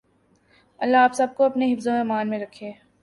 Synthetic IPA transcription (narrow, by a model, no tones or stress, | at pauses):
ɐlːaaːpsɐb̚koɐpneɦɪfzõeːmaːnmẽɾɐkʰːeː